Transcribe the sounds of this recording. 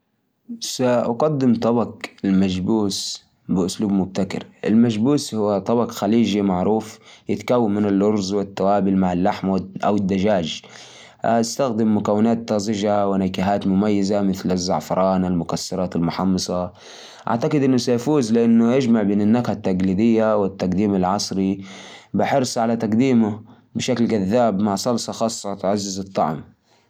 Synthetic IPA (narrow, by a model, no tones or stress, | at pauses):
saʔaqad̪ːɪmt̪ˤɑbɑqɪlmad͡ʒbuːs | bɪʔʊsluːbmʊb̚t̪akɪ̰ɾʔɪ̰lmaʒbuːshʊwːat̪ˤɑbɑqxaliːd͡ʒimaʕɾuːfjɪt̪kawːammɪnɪlʔʊɾˤzˤwɪt̪ːawaːbɪlmaʕalːaħmʔa̰wɪd̪ːad͡ʒaːd͡ʒ | aast̪axd̪ɪmːʊkawːɪnaːt̪ːɑzˤɪʒawɪnakaɦaːt̪mʊmajːazamɪθlazːɑ̰ʕfɑɾˤɑːnalmʊkasːɑɾˤɑːt̪almʊħɑmːɨsˤɑ | ʔa̰ʕt̪aqɪd̪ʔɪnːʊsajafuːzlɪʔanːʊjɪd͡ʒmaʕbeːnanːakhat̪ːaɡliːd̪ɪjːawɪt̪ːaqd̪iːmalʕɑsˤɾibɪħɪɾsˤʕalat̪aqd̪iːmʊ | bɪʃaklɡaðːaːbmaʕsˤɑlsˤɑxɑːsˤːɑt̪ʕazːɪzɨt̪ˤːɑʕm